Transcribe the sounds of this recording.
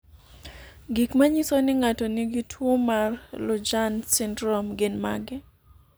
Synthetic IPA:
ɡikmaɲisonɪŋatɔnɪɡitʰwomarlʊd͡ʒansɪndɾɔmɡɪnma̰ɡɪ

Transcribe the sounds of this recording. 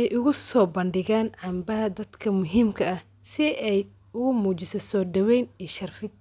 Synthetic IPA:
ɛjʔʊɣʊsɔːbɐnɖɪɣaːnʕɑːmbɐɦɐd̪ɐd̪kʰɐmʊɦiːmkʰɐɐh | sɪʔɛj | ʊɣʊmuːt͡ʃɪsɔsɔːɖɐwɛjniːʃɐrfɪd̪̚

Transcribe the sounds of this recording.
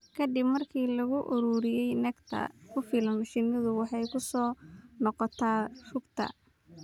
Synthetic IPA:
kʰɐd̪ɪbmɐrkʰiːlɐɣʊʔʊɾuːɾɪjɛjnɐɡt̪ʰɐ̰kʰʊfilɐnmɐʃiːnɐðʊwɑħɑjkʰʊsɔːnɔqɔt̪ʰaːrʊɡt̪ʰɐ̰

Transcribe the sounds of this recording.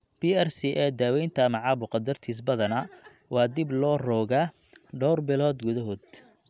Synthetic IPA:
b̥iɛrsiʔɛd̪aːwɛjnt̪ʰɐmɑʕɑbʊqɑd̪ɐrt̪ʰiːs̬bɐðɐnɐ | wɑːd̪ɪblɔːrɔːɣaː | ɖɔwrbɪlɔːd̪ɡʊðɐɦɔːd̪

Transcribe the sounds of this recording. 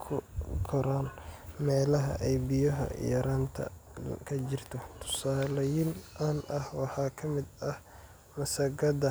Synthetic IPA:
kʰʊɡʰɔɾaːnmɛːlɐɦɐ̰ʔɛjbɪjɐɦɐ̰jɐ̰ɾaːnt̪ʰɐ̰kʰɐt͡ʃɪrt̪ʰɔt̪ʰʊ̥saːlɐjɪnʔɐnɐhwɑħɑːkʰɐmɪd̪ɐh | mɐsɐɡɐd̪ɐ

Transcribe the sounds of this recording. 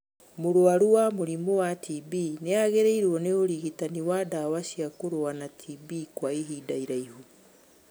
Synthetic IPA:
moɾoaɾuwamoɾimowatʰibineaɣeɾeiɾwɔneoɾiɣitaniwadawaʃiakoɾoanatʰibikwaiɦidaiɾaihu

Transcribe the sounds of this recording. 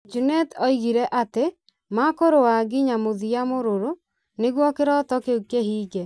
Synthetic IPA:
d͡ʒunɛtɔiɣiɾɛʔate | makoɾowaɡiɲamoðijamoɾoɾo | neɣwɔkeɾɔtɔkeukeɦiːɡɛ

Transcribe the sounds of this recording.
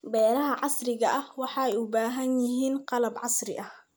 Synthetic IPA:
bɛːɾɐɦɐʕɑsrɪɣɐʔɐhwɑħɑːɛjʊbaːɦɐnjɪɦiːnqɑlɐbʕɑsrɪ̰ʔɐh

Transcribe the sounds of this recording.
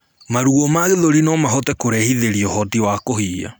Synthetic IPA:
maɾuɣɔmaɣeðoɾinɔmaɦɔtɛkoɾɛhiðeɾiɔhɔtiwakohiːa̰

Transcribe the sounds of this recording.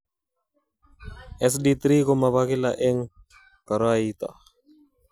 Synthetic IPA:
ɛs̬dit̪ɾikomaβakilaʔeŋ | kaɾoait̪a̰

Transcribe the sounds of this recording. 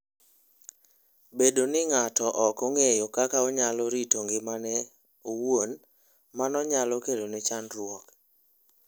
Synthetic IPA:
bedonɪŋatɔʔɔkoŋejokakaoɲalɔɾitoŋɡɪmanɛ | owon | manɔɲalɔkelonɛt͡ʃanɾwɔk

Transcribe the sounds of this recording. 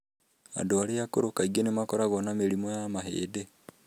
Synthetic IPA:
a̰ndoaɾejakoɾokaiɡenemakɔɾaɣɔnameɾimɔjamaɦḛːde

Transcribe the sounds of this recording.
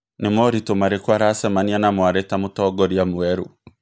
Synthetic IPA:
nemɔɾitomaɾekwaɾasɛmanianamwaɾɛtamotɔɡɔɾiamuɛɾu

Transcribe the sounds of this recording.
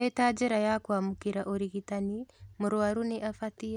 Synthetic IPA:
etaːd͡ʒɛɾajakwamukiɾaʔoɾiɣitanimoɾwaɾuniʔafati

